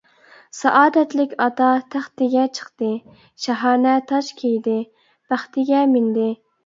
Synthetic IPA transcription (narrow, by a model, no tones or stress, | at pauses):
sɑʔɑːd̪ɛt̪lɪkʲɑt̪ɑt̪ʰæχt̪ɪɡʲɛt͡ʃʰə̥χt̪ɨ | ʃɛɦɑːnɛt̪ʰɑʃkʲʰejd̪ɪ | b̥æχt̪ɪɡʲɛmɪnd̪ɪ